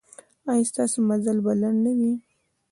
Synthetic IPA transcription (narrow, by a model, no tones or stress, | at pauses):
ɑjɑst̪ɑsomazalbalaɳnawi